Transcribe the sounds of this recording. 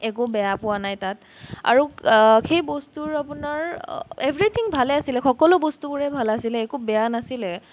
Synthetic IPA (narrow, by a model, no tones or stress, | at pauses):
ɛkʊbɛjapʊwanajtat | a̰ɹuxejbɔstuɹapunaɹebʱɹit̪ʰiŋbʱalɛasilɛxɔkɔlʊbɔstubʊɹɛbʱalasilɛːkubɛjanasilɛ